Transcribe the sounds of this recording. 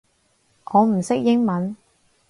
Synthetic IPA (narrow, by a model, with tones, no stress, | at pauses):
ʔɔː˨˧m̩˨˩sɪ˥k̚jɪ˥ŋmɐ˨˦n